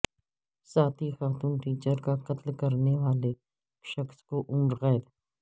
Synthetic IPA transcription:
saːt̪ʰixaːt̪uːnʈiːt͡ʃəɾkaqɐt̪lkɐɾneʋaːle | ʃɐxskoʔʊ̃ːɾɣɛːd̪

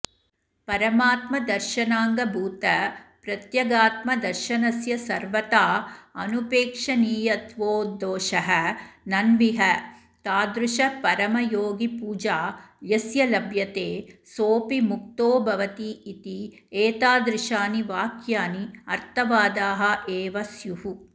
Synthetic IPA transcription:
pɐɾɐmaːt̪mɐd̪ɐɾʃɐnaːŋɡɐbʱuːt̪ɐpɾɐt̪jɐɡaːt̪mɐd̪ɐɾʃɐnɐsjɐsɐɾʋɐt̪aːɐ̰nupeːkʂɐniːjɐt̪ʋoːd̪oːʃɐɦɐnɐnbiɦɐ | t̪aːd̪ɾuʃɐpɐɾɐmɐjoːɡipuːd͡ʒaːjɐsjɐlɐbʱjɐt̪eːsoːpimuk̚t̪oːbʱɐʋɐt̪iːt̪i | eːt̪aːd̪ɾɪʃaːniʋaːkʰjaːniɐɾt̪ʰɐʋaːd̪aːɦɐ̆ʔeːʋɐsjuɦu

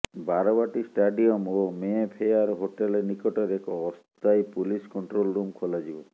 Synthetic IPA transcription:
baɾɔbaʈisʈaɖiɔmomepʰejaɾɦoʈelenikɔʈɔɾekɔːst̪ajpuliskɔɳʈɾolɾumkʰolad͡ʒibɔ

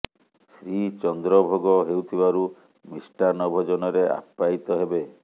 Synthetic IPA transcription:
sɾit͡ʃɔnd̪ɾɔbʱoɡɔɦewt̪ʰibaɾu | misʈaɾnɔbʱɔd͡ʒɔnɔɾeʔa̰pːait̪ɔɦebe

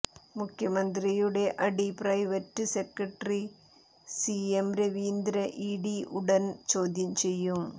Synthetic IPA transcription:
mʊkːɪjɐmɐnd̪ɪɾijɯɽeʔɐɽipɪɾɐɪʋɐʈːɯsɛkɾɐʈri | siːɛmɾeʋiːnd̪ɾɐʔiːɽiʔʊɽɐnt͡ʃoːðɪɲt͡ʃɛjːɯm

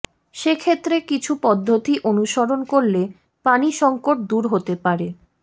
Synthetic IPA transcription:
ʃekʰet̪ːɾekit͡ɕʰupɔd̪ʱːot̪iʔonuʃoɾonkoɾle | paniʃɔŋkoʈ̚d̪uɾɦot̪epaɾe

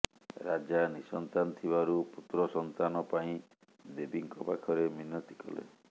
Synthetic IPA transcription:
ɾad͡ʒanisɔnt̪anɔt̪ʰibaɾuput̪ɾɔsɔnt̪anɔpaĩ | d̪ebiŋkɔpakʰɔɾeminːɔt̪i̥kɔ̰lḛ

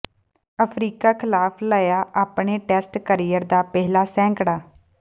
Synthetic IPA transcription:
əpʰɾiːkaːkʰɪlaːpʰləːjaːʔaːpɳeːʈɛːsʈkəɾijəɾd̪aːpɛɦlaːsɛ̃ːŋkɽaː

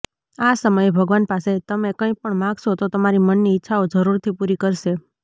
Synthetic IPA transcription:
asəməjebʱəɡʋanpaset̪əmekə̃ĩpəɳmãɡʃot̪ot̪əmaɾimənːiɪtːʃʰaod͡ʒəɾuɾt̪ʰipuɾikəɾʃe

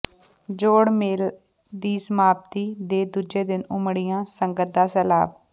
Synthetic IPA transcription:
d͡ʒoːɽmeːl | d̪iːsəmaːb̚t̪iːd̪eːd̪ud͡ʒeːd̪ɪnʊmɽɪjãːsəŋɡət̪̚d̪aːsɛːla̰ːb

